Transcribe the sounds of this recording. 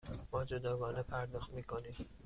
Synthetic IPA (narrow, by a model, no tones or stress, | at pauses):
b̥ɒːd͡ʒod̪ɒːɡɒːnepʰæɾd̪ɒːxt̪miːkʰoniːm